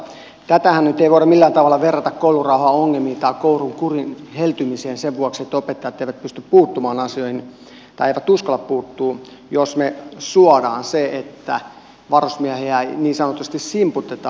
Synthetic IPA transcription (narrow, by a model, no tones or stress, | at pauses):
t̪æt̪æhænnyt̪eiʋoiɾɑmilːæːt̪ɑʋɑlːɑʋerːɑt̪ɑkkoulurɑuhɑoŋːelmiːt̪ɑikouruŋkurinhelt̪ymiseːnseʋʋuɑkset̪ːopet̪ːɑjɑt̪ːˑeiʋæt̪̚pyst̪yppuːt̪ːumɑːnɑsioihin | t̪ɑieˑiʋæt̪uskɑlːɑppuːt̪ːuː | josmesuɑdɑ̰ːnseet̪ːæ̰ | ʋɑrosmiæheæniːnsɑnot̪ːˑuse̥t̪issimput̪ːet̪ɑː